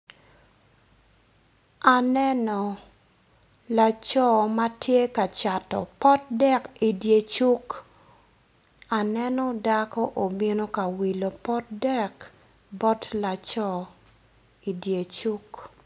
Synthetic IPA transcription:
a˨nɛ˦nɔ˨ | la˨t͡ʃɔ˦ma˦tje˦ka˨t͡ʃa˨tɔ̰˨pɔ˦t̚dɛ˦ki˨dje˨t͡ʃu˦k | a˨nɛ˦nɔ˦da˦kɔ˦ʔo˨bi˦no˦ka˨wi˨lo˨pɔ˦t̚dɛ˦k | bɔ˦tla˨t͡ʃɔ˦˨ | i˨dje˨t͡ʃu˦k

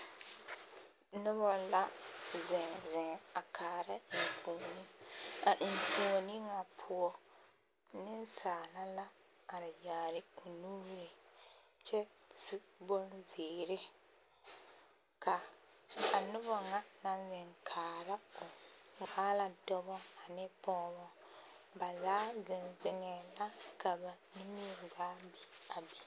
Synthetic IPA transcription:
nʊ˦βɔ˦la˦zɪ̃˨zɪ˨a˨kʰaː˨ɾa˦˨koː˨ni˦a˨ʔŋko˨ni˦ŋa˨pʰʊ˦ɔ˦ | nɪ˦n˦saː˨la˦la˦ | a˨ɾɪ˨jaː˨ɾɪ˨ku˨nuː˦ɾɪ˨t͡ʃɛ˦tɪ˦bɔ˦nzɪː˨ɾɪ˦ | ka˨ | a˨nʊ˦bɔ˨ŋa˦na˦n˦zɪ˨ŋkʰaː˨ɾa˦kʊ˨ŋaː˦la˨dɔ˦bɔ˦a˨nɪ˦pɔː˦βɔ˦ | ba˨zaː˦zɪ˨nzɪ˨ŋɛ˨la˦ka˨ba˨ni˦mi˦e˨zaː˨˦bi˨˦a˨bi˨

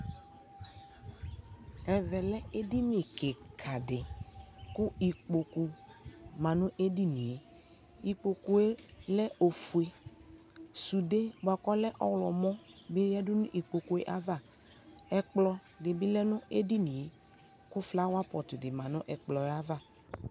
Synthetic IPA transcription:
ɛ˨vɛ˨lɛ˦e˦di˦n˦e˨ke˨kʰa˨dɪ˨kʊ˦i˨k͡po˨ku˨mã˨nʊ̃˦ʔe˦di˦nĩ˨e˨ | i˨k͡po˨ku˨e˦lɛ˦o˨fu˨e˨ | su˨de˦bo˨a˨kɔ˦lɛ˦ʔɔ˦wlɔ˨mɔ̃˦be˦ja˦dʊ˦nʊ̃˦ʔi˨k͡po˨ku˨e˦ʔa˦va˦˨ | ɛ˨k͡plɔ˨ | dɪ˨bi˦lɛ˦nʊ̃˦e˦di˦nĩ˨e˦ | kʊ˦fla˦wa˦pɔ˨tʊ˨dɪ˨mã˨nʊ̃˦ʔɛ˨k͡plɔ˨˦a˦va˦˨

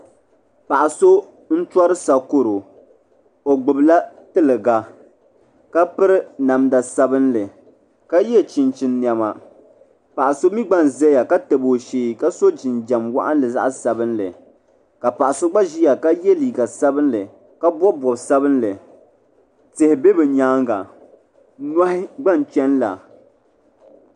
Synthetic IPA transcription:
pa˨ʔa˨so˦ | n̩˦ta˦ɾɨ˦sa˨ko˦ɾo˨ | o˨ɡ͡bʊ˨bla˦tɨ˦lɨ˨ɡa˨ | ka˦pɨ˦ɾɨ˦na˨mda˨sa˦bɨ˦nlɨ˨ | ka˦jɛ˦t͡ʃɪ˨nt͡ʃɪ˦nːja˦ma˨ | pa˨ʔa˨so˦mi˦ɡ͡ba˦n˨zɛ˦ja˨ka˦tɨ˨bo˨ʃeː˨˦˨ka˦so˦d͡ʒɪ˨nd͡ʒa˨mwa̰˦ʔa̰˦n˦lɨ˨za̰˦ʔsa˨bɨ˦nlɨ̰˨ | ka˨pa˨ʔa˨so˦ɡ͡ba˦ʒi˦ja˨ka˦jɛ˦liː˨ɡa˨sa˦bɨ˦n˦lɨ˨ | ka˦bɔ˦bɔ˨bsa˦bɨ˦n˦lɨ˨ | tɨ˨hɪ˨be˦bɨ˨ɲaː˦ŋɡa˨ | na˦hɪ˦ɡ͡ba˦n˨t͡ʃɛ˦nla̰˨

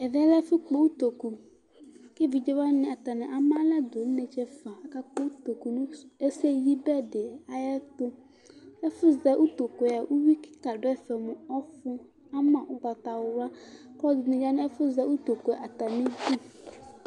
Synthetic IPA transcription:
ɛ˨ðɛ˦lɛ˦fɪ˦k͡po˦wu˦t̪o˨ku˨ | kɪ˦vi˨d͡ʒe˦wa˦nɪ̃˨a˨t̪a˨nɪ̃˨ʔa˦mã˦lɛ˦d̪o˨n̩˦ne˨t͡ʃɛ˦fa˨a˨ka˦k͡pɔ˦u˦t̪o˨ku˨n˦e˦se˦ji˦bɛ˦dɪ˨a˨jɛ˦t̪ʊ˦ | ɛ˦fʊ˦zɛ˨˦ʔu˦t̪o˨ko˨a˨wʔu˦wi˦kɪ̥˦ka˨ɖʊ˦ɛ˦fɛ˨mʊ̃˨ɔ˦fʊ˦ | a˦mã˨ʔʊ˦ɡ͡bɔ˨t̪a˨wʊ˨wa˦kɔ˦dʊ˨nɪ̃˨d͡ʒa˦nɪ̃˦ɛ˦fʊ˦zɛ˦ʔu˦t̪o˨kɛ˨ʔa˨t̪a˨nɪ̃˦bu˦˨

